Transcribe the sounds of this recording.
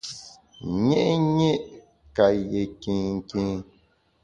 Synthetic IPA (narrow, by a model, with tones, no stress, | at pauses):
ɲɛ˦ʔɲe˦ʔ | ka˨je˨ki˨ŋ̩˨kĩ˦ŋ